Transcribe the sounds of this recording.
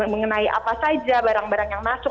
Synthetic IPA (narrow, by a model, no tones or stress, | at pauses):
məŋənaiʔa̰pasad͡ʒabaɾaŋbaɾaŋjaŋmasʊk̚